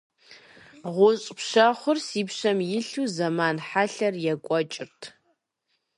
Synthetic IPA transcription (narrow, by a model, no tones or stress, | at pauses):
ʁʷʊɕʼpʃɐχʷʊrsiːpɕɐmjɪɬuːzɐmaːnħaɬɐrjɛkʷʼɔt͡ʃʼɪrtʰ